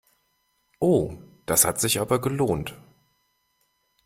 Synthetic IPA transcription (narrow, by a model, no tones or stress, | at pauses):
ʔoːd̥ashatz̥ɪçʔaːbɐɡəloːnt